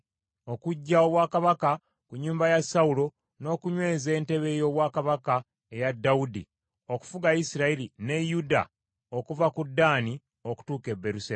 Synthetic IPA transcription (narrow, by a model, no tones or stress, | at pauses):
o̞kuɟːaoβwaːkaβaka | kuɲːuːmbajasaulo̞ | no̞ːkuɲwe̞ːze̞ːnte̞βe̞ːjo̞ːβwaːkaβaka | ejadːaudḭ | o̞ku̥fuɡaisiɾailine̞juda̰ | o̞kuvakudːaːni | o̞ku̥tuːke̞bːe̞ɾuse